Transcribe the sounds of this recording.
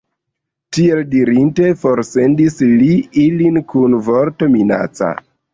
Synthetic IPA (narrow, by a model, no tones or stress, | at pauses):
tie̞ldiɾinte̞fo̞ɾse̞ndisliilinkunvoɾto̞mina̰t͡sa̰